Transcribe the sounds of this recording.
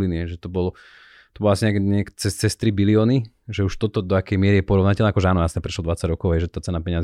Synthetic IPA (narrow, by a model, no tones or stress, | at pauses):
liniɦɛʒɛt̪ɔbɔlɔ | t̪ɔbɔlasiɲɛkɛɲɛkt͡sɛst͡sɛst̪ɾibiliɔːni | ʒɛuʃt̪ɔt̪ɔd̪ɔakɛjmɪɛɾijɛpɔɾɔʊnacɛlnɛakɔʒɛaːnɔjasɲɛpɾɛʃlɔd̪ʋat͡saɟɾɔkɔʊɦɛjʒɛt̪aːt͡sɛnapɛɲɪazi